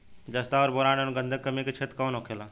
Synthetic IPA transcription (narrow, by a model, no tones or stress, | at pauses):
d͡ʒəst̪aɔɾboɾanenɡə̃nd̪ʱəkːəmiket͡ʃʰet̪kənɦokʰela